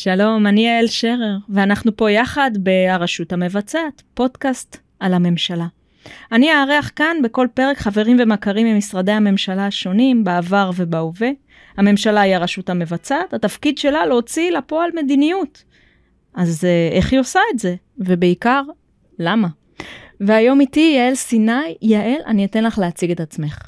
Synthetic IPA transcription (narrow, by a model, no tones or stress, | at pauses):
ʃalo̞maniaelʃeʁeʁveanaχnupo̞jaχad̪be̞aʁaʃuthame̞vat͡satpo̞dkast | alhame̞mʃala | aniaːʁeaχkanbe̞ko̞lpe̞ʁe̞kχave̞ʁimvemakaʁimemisʁade̞jhame̞mʃalaʃo̞nimbaːvaʁve̞baove̞ | hame̞mʃalajaʁaʃutame̞vat͡satat̪afkid̪ʃe̞lalot͡silapo̞alme̞dinijut | ʔazeχjo̞saetze̞ | ve̞be̞ikaʁ | lama | veajo̞mitijae̞lsinajːaʔe̞lʔa̰niet̪e̞nlaχleːt͡siɡe̞t̪at͡sme̞χ